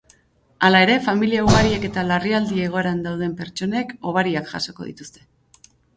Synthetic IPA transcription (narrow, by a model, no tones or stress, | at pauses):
alae̞ɾe̞familiauɣaɾieke̞t̪alariald̪iːɣo̞e̞ɾand̪awð̞e̞mpe̞ɾt͡ʃo̞ne̞ko̞β̞aɾiakʝa̰so̞ko̞̰ð̞ḭt̪u̥st̪e̞